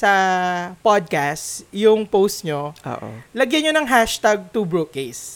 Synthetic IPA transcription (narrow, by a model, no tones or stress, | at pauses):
sɐpod̪̚kastjʊŋpowst̪ɲoʔo̰ːʔo̰lɐɡjɐnɲonɐŋɦaʃt̪aɡ̚t̪ubɹukes